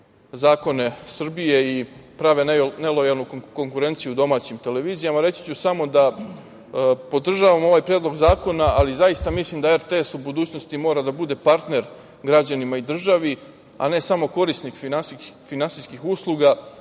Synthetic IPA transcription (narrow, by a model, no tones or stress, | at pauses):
zaːko̞ne̞sr̩bije̞ipɾaʋene̞lo̞jalˠnuko̞ŋkuɾe̞ːnt̪sijud̪o̞maːt͡ɕimt̪e̞le̞ʋiːzijamaɾe̞t͡ʃ̪i̥t͡ɕusamo̞d̪a | po̞d̪r̩ʒaʋamo̞ʋaːjpɾjed̪lˠo̞ɡzaːko̞naalizajist̪amislˠimd̪aeɾt̪eesubud̪uːt͡ɕno̞st̪imo̞ːɾad̪abud̪e̞paɾt̪ne̞ɾ | ɡɾad͡ʑanimaid̪r̩ʒaʋi | a̰ne̞samo̞ko̞ɾisnikfinaifinansiskixuslˠuɡa